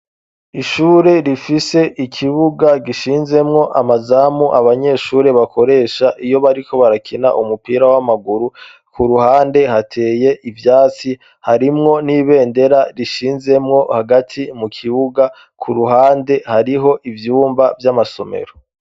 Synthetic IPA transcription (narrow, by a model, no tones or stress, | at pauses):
iʃuːɾe̞ɾifise̞ʔikʰiβuɡaɡiʃiːnze̞mŋo̞ʔamazaːmuʔaβaɲe̞ʃuːɾe̞βakʰo̞ɾe̞ːʃaʔijo̞βaɾikʰo̞βaɾakʰina̰ʔumupiːɾawamaɡuɾu | kuɾuhaːnde̞hatʰe̞ːje̞ʔivjaːt͡si | haɾimŋo̞niːβe̞ːnde̞ɾaɾiʃiːnze̞mŋo̞haɡatʰimukʰiβuɡa | kʰuɾuɦaːnde̞haɾiɦo̞ʔivjuːmbavjamaso̞me̞̰ɾo